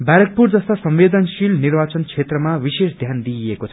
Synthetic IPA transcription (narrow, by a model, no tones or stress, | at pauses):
baɾʌk̚purd͡zʌst̪asʌmʋed̪ʌnsilnirbat͡sʌnkʰet̪rʌmawisesd̪ʱjand̪iekot͡sʰʌ̥